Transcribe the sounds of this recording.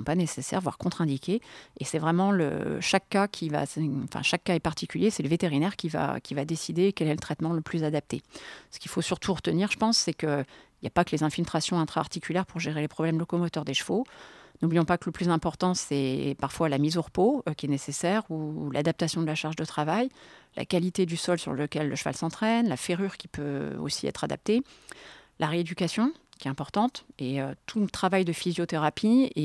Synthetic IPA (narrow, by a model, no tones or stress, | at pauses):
ɔ̃panesesɛ̰ʁvwa̰ʁkɔ̃t̪χɛ̃d̪ikʲeesɛvʁɛmɑ̃lə̰ʃakːakʲʰiva̰sɑ̃fɛ̰̃ʃakːaɛpaʁt̪ikʲyljesɛləvet̪eʁinɛʁkʲiva̰kʲivad̪esid̪eːkʲɛlɛlət̪χɛt̪mɑ̃ləplyzad̪ap̚t̪esə̥kʲilfosyʁt̪ʰuʁət̪əniʁʒə̥pɑ̃sːɛkəilja̰pakəlezɛ̃filt̪χasjɔ̃ɛ̃t̪χaːʁt̪ikʲylɛʁpuʁʒeʁelepχɔblɛmd̪lɔkɔmɔt̪œʁd̪eʃfonublijɔ̃pakələplyzɛ̃pɔʁt̪ɑ̃sɛpaʁfwalamizoʁəpokʲiɛnesesɛʁula̰d̪ap̚t̪asjɔ̃d̪əlaʃaʁʒd̪ət̪χavajlʔa̰kalit̪ed̪ysɔlsy̰ʁləkʲɛlːəʃəva̰lsɑ̃t̪χɛnlafeʁyʁkʲi̥pøo̰siɛ̰t̪χad̪a̰p̚t̪e | laʁeed̪ykasjɔ̃kʲiɛɛ̃pɔʁt̪ɑ̃t̪eøt̪ʰulət̪χavajd̪əfizjot̪eʁapʰie